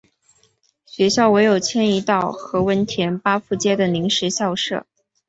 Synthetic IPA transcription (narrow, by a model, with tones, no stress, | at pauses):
ɕɥɛ˧˥ɕjɑ˥˩ʊwe˧˥ɪjo˨˩ʊt͡ɕʰjɛ˥ni˧˥t̪ɑ˥˩ʊxɤ˧˥wə˧˥nt̪ʰjɛ˧˥npa˥fu˥˩t͡ɕjɛ˥d̪ə˨ni˧˥ŋʂɛ˧˥ɕjɑ˥˧ʊʂɤ̰˥˩